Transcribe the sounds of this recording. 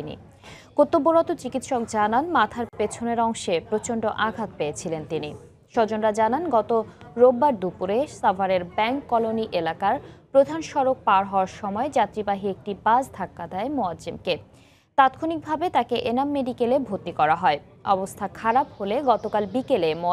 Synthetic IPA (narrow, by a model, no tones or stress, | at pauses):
inḭ | kot̪ːoboɾɔt̪ot͡ɕikit̪ʃɔkd͡ʑananmat̪ʰaɾpet͡ɕʰoneɾɔŋʃepɾot͡ɕoɳɖoʔaɡʱat̪̚peet͡ɕʰilent̪ini | ʃɔd͡ʑonɾad͡ʑananɡɔt̪oɾobːaɾd̪upuɾesafaɾeɾbɛŋkːɔloniʔelakaɾpɾod̪ʱanʃɔɾok̚paɾɦɔoaɾʃɔmɔed͡ʑat̪ɾibaɦiek̚ʈibad͡ʑd̪ʰʱakːad̪ɛemoad͡ʑemke | t̪at̪kʰonik̚bʱabet̪akeʔenamːeɖikelebʱot̪ːikɔɾaɦɔe | ɔbost̪ʰakʰaɾapɦoleɡɔt̪okalbikelemo